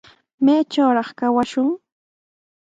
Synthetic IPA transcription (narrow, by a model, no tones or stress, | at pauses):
majt͡ʃawɾɑχkawaʃʊŋ